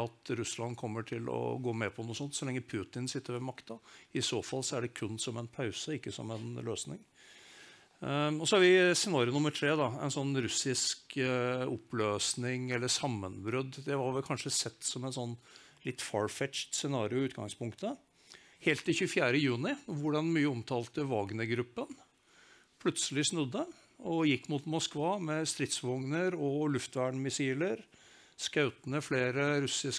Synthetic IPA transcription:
ɑt̪ɾʉslɑnkʰɔmːəʈʰɪlɔ̰ɡoːmɛpʰɔnuːsɔnt̪sɔlɛŋːəpʰʉːt̪ɪnsɪt̪ːəɾʋɛmɑkt̪ɑɪsoːfɑlːsɔæɖɛkʰʉnːsɔmɛnpʰɑʉsəɪkːəsɔ̰mɛnløːsnɪ̰ŋ | ɔsɔhɑɾʋɪsɛnɑːɾɪʊnʊmːəʈʰɾeːd̪ɑɛ̰nsɔnːɾʉsɪskɔpːløːsnɪŋɛlːəʂɑmːənbɾʉd̪d̪ɛhɑɾʋɪkʰɑnʂəsɛt̪ːsɔmɛnsɔnː | lɪt̪ːfɑɹfɛtt͡ʃtsɛnɑːɾɪʊʉːt̪ɡɑ̰ŋspʰʊŋkt̪ə | heːlt̪d̪ɛçʉːfjæːɾəjʉːnɪʋʊɖɑnmyːəɔmt̪ʰɑːlt̪əʋɑɡnəɡɾʉpːən | pʰlʉt̪səlɪsnʉd̪ːə | ɔjɪkːmut̪mɔskʋɑːmɛst̪ɾɪt̪sʋɔŋnəɾɔlʉft̪ʋæɳmɪsiːləɾ | skɑʉt̪ənəfleːɾəɾʉsɪs

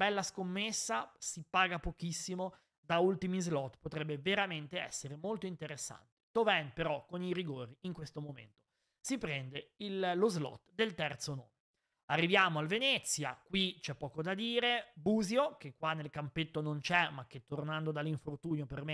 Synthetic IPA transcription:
bɛlːaskomːesːasipaːɡapokisːimo | d̪ault̪imizlɔt̪ːpot̪ɾɛbːeveɾament̪eɛ̰sːeɾemolt̪oint̪eɾesːa̰nt̪e̥t̪ovɛnpeɾɔkːoniɾiɡoːɾiiŋkwest̪omomḛnt̪o̥ | sipɾɛnd̪eillozlɔ̰t̪ːd̪elt̪ɛrt̪sono̰ːme | arːivjaːmoalvenɛt̪sːja̰kwit͡ʃɛpːɔːkod̪ad̪iːɾebuːziok̟ekwanːelkampet̪ːonont͡ʃɛmak̟ːet̪ːornand̪od̪alːiɱfort̪uːnjoperme

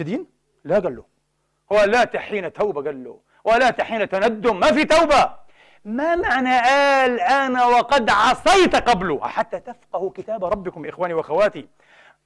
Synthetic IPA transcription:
ɪd̪iːn | laɡalːʊ̰ | hʊwalat̪aħiːnat̪awbaɡalːʊ̰ | hwalaːt̪aħiːnat̪anad̪ːʊmːafit̪awba | mamaʕnaʔaːlʔanawɑqɑd̪ʕɑsˤɑjt̪qɑblʊ̰ħat̪ːat̪afqɑhʊkɪt̪aːbɾˤɑbːɪkʊmbʔɪxwaːniwaʔaxawaːt̪i

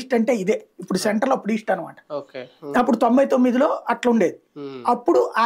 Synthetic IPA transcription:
ʂʈɐɳʈe̞ːid̪eːipːuɽuseɳʈɐɾlɐpːuɽiːʂʈaːnɐma̰ːʈɐ̥okɐpːuɽut̪o̞mbɐjt̪o̞mːid̪ilo̞ːɐʈlɐuɳɖe̞ːd̪iɐpːuɽuʔaː

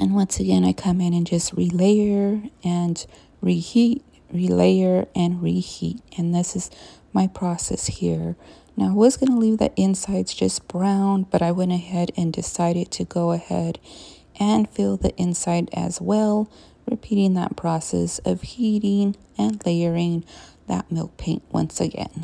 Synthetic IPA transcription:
ʔɨ̃nwʌ̃nsɨɡɛ̃ñaɪkʰʌ̃mɪ̃ñɨ̃nd͡ʒʌst̚ɹileɪə˞ɨ̃n | ɹihit̚ | ɹilḛɪə˞ɨ̃nɹihḭt̚ʔɨ̃nðɪsɨzmaɪpʰɹ̥ɔsɛ̰shiɹ | naʊawʌzɡʌnəlivðḭʔɪ̃nsaɪdz̥d͡ʒ̥ʌsb̥ɹãʊ̃nbʌɾaɪwɛ̃ñɨhɛɾɨ̃ndɨsaɪɾɨd̚tʰɨɡoʊɨhɛ̰ɾ | ʔɨ̃nfɪlˠðiʔɪ̃nsaɪɾɨ̰zwɛlˠ | ɹɨ̰pʰiɾɪ̃ŋðɨ̰t̚pʰɹ̥ɑsɛ̰sʌv̥hiɾɪ̃ŋ | ɨ̃nleɪə˞ɪ̃ŋðə̰t̚mɪlˠk̚pʰẽɪ̃nʔwʌ̰̃nsɨɡɛ̰̃n

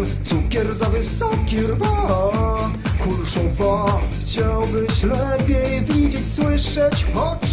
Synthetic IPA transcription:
t̪sukʲɛɾzavɘsɔkʲiɾva | kulʂɔ̃vaxt͡ɕawbɘɕlɛpʲjɛjvʲid͡ʑet͡ɕswɪʂɛt͡ɕɔt͡ʂ

